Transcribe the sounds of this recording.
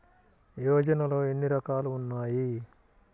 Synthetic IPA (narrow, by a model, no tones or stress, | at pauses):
joːd͡ʒɐnɐlo̞ːenːiɾɐkaːluːnːaːji